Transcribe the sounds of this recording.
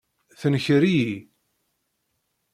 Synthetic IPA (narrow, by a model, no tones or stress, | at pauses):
θənçəɾiji